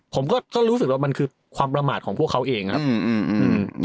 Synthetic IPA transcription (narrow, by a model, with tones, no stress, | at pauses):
pʰo˩˦mkɔː˥˩kɔː˥˩ɾu˦˥s̬ɯ˨˩k̚waː˥˩ma˧nkʰɯː˧ | kʰwaː˧mpɾa˧maː˨˩kʰɔː˩˦ŋpʰəkʰːa˦˥wʔeː˧ŋkʰa˦˥˧ɯː˧ʔɯː˧˩